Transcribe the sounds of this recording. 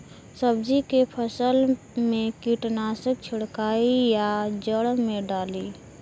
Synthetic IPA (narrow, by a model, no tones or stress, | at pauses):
səbd͡ʒikepʰəsəl | mekiʈnasək̚t͡ʃʰɪɽkaijad͡ʒəɽmẽɖaːli